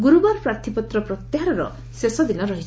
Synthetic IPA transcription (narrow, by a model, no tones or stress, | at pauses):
ɡuɾubaɾpɾaɾt̪ʰipɔt̪ɾɔpɾɔt̪jaɦaɾɔɾɔ̰ | sesɔd̪inɔɾɔɦit͡ʃʰ